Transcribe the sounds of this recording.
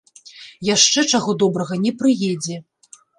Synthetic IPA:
jaʂt͡ʂɛt͡ʂaɣɔd̪ɔbɾɐɣɐnʲɛpɾɨjɛd͡zʲɛ

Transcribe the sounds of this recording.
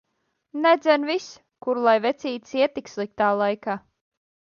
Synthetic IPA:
nɛd̪zʲɛnvis | kuɾlˠajvɛt̪sʲiːt̪siɛt̪ikslˠik̚t̪aːlˠajkaː

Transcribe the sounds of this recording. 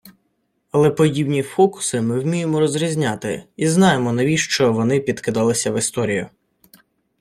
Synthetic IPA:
ɐlˠɛpɔdʲibnʲifɔkʊ̥sɪmɪwmʲijemɔɾɔzɾʲizʲnʲɑt̪ɪ̰iznɑjemɔnɐʋʲiʃt͡ʃɔʋɔnɪpʲid̪kɪd̪ɑlˠɪsʲɐʋɪst̪ɔɾʲijʊ

